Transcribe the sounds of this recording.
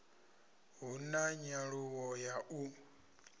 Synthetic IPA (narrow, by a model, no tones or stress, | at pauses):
ɦunaɲaɺuwɔjaʔu